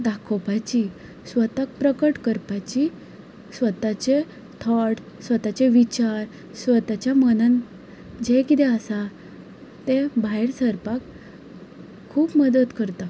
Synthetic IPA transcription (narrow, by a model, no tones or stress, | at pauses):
d̪akʰopat͡ɕi | sʋət̪ak̚pɾəkəʈkəɾpat͡ɕi | sʋət̪at͡ɕe | t̪ʰɔʈ | sʋət̪at͡ɕeʋit͡ɕaɾ | sʋət̪at͡ɕjamənan | d͡ʑẽkit̪ɛəsa | t̪ẽbʱaeɽsəɾpak | kʰːuːpməd̪ət̪kəɾt̪a